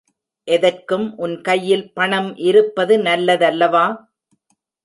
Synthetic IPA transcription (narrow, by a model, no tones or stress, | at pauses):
ʔɛðɐrkɯmʔʊnkɐjːɪlpɐɳɐmʔɪɾɯpːɐðɯnɐlːɐðɐlːɐʋaː